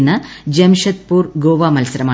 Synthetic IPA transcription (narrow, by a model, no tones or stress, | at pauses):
nɐd͡ʑɐmʂɐt̪̚puːrɡoːʋaːmɐlsɐɾɐmaː